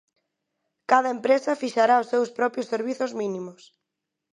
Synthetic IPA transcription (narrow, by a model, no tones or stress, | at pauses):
kað̞ɐempɾesɐfiʃaɾaʊsːewspɾɔpɾjʊseɾβ̞iθʊzmĩnimʊs